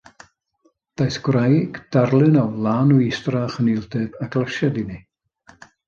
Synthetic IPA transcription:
d̥ajsɡ̥wrajɡ̥d̥arlˠɨnɔwlˠaːnuistraχənɪlˠdɨvaɡlˠəʃadɪni

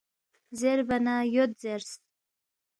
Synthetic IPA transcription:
zeɾbanajot̪zeɾst̪

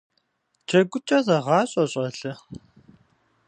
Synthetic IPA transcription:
t͡ʃʰɐɡʷʊt͡ʃʼɐzɐʁɑːɕʼɐɕʼɐɬɨ

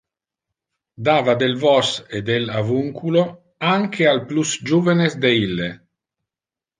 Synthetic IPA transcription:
d̪aːvad̪elvɔsed̪elavuŋkʰulo | aŋkʰealplusd͡ʒuːvenesd̪eilːe

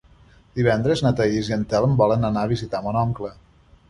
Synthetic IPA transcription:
d̪̥iβɛnd̪ɾəznət̪əiziənt̪ɛlˠəmbɔlənənaəβizit̪amɔnɔŋklə

